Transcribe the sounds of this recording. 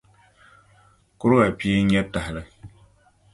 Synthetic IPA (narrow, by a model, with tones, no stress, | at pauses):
kʊ˦ɾʊ˦ɣa˨pi˦e˦ɲɛ˦ta˨hɪ˨lɨ˦